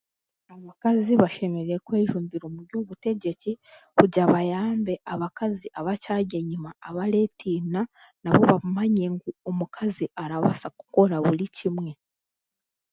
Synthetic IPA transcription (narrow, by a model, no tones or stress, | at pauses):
aβakaziβaʃe̞me̞ɾejekweːʒuːmbiɾumuɾɟuːβute̞ɟeci | kuɟaβajaːmbe̞ʔaβakaziʔaβacaɟeɲimaːβaɾetʰina | naβo̞βamaɲe̞ŋɡuomukʰaziʔaɾaβa̰saku̥ko̞ɾaβuɾicimŋe̞